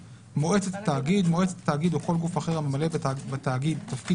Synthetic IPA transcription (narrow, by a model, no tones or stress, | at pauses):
mo̞e̞t͡set̪at̪aːɡid̪moet͡set̪ḁt̪aːɡid̪uko̞lɡufaχeʁamemale̞bat̪aːɡid̪t̪afki